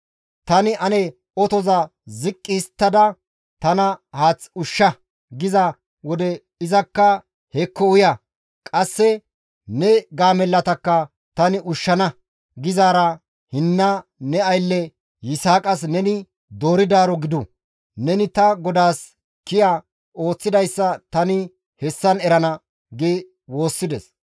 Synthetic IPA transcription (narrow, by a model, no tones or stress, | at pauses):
t̪ɐnɪʔɐnɛ | ɔt̪ɔzɐ | zɪkʼːɪst̪ːɐd̪ɐ | t̪ɐnɐhaːt͡sːʊʃːɐ | ɡɪzɐ | wɔd̪ɛ | ɪzɐkːɐ | hɛkːɔʊjɐ | kʼɐsːɛ | nɛɡaːmɛlːɐt̪ɐkːɐ | t̪ɐnɪʔʊʃːɐnɐ | ɡɪzaːɾɐ | hɪnːɐnɛɐjlːɛ | jɪsaːkʼɐs̬nɛnɪ | d̪o̞ːɾɪd̪aːɾɔɡɪd̪ʊ | nɛnɪt̪ɐɡɔd̪aːs | kɪja | o̞ːt͡sːɪd̪ɐjsːɐt̪ɐnɪ | hɛsːɐnɛɾɐnɐ | ɡɛ | wo̞ːsːɪd̪ɛs